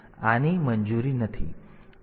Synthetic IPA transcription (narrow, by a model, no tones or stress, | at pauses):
animənd͡ʒuɾinət̪ʰḭ